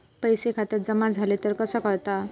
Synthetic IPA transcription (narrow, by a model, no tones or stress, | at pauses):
pəjsekʰat̪iɾd͡zəmad͡zʱalit̪əɾkəsəkəɾt̪a